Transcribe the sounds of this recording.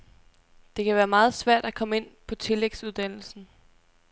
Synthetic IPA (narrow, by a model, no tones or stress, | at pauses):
d̥e̝kʰæʋæːɐmɑ̈ːð̞̩ˠsʋæɐ̰d̥ækʰɒ̽məe̝n̰pʰɒ̽t͡sʰe̝leɡ̥suð̞ˠd̥æn̰l̩sn̩